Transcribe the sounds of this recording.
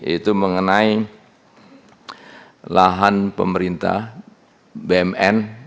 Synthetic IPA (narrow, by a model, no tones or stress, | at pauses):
it̪uməŋənai | laɦanpəməɾint̪a̰h | beɛmɛn